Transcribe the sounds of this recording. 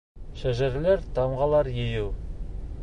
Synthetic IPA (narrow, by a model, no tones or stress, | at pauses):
ʃæʒæɾleɾt̪ʰɑmʁɑlˠɑɾjejuw